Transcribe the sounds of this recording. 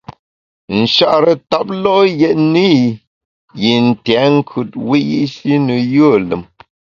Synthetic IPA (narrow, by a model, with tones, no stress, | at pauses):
n̩˨ʃa˦ʔɾə˨ta˦p̚lɔ˦jɛ˨ʔni˦ | ji˨n̩˨tja˨˦ŋ̩˦kʰʉ˨t̚wi˦jḭ˦ʔsi˦nə˨jə˦˨lə̰˨m